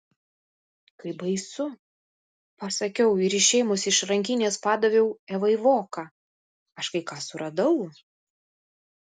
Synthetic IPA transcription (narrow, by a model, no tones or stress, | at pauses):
kɐɪbɐɪsʊ | pɐsɐkʲɛʊɪɾɪʃʲɛɪmʊsɪʃɾɐŋʲkʲɪnʲeːspɑːd̪ɐʋʲɛʊɛʋɐɪʋoːkɑː | ɐʃkɐɪkɑːsʊɾʔɐd̪ɐʊ